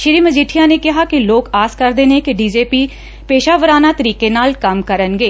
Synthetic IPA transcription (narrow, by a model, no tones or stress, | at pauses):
ʃɪɾiːməd͡ʒiːʈʰɪjãːneːkɪɦaːkɪloːkaːskəɾd̪eːneːkɪɖiːd͡ʒeːpiː | peːʃaːʋəɾaːnaːt̪əɾiːkeːnaːlkəmkəɾənɡeː